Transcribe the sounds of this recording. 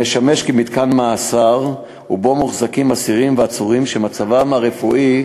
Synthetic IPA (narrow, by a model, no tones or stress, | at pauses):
eʃameʃkimit̪kanmaːsaʁ | ubo̞muχzakimasiʁimveat͡suʁimʃemat͡savamaʁefuʔi